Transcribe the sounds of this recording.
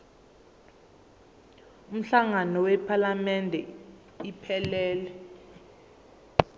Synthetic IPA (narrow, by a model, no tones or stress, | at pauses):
um̩ɬaŋanɔwɛpʰalamɛndʱɛ | ipʰɛlɛːlɛ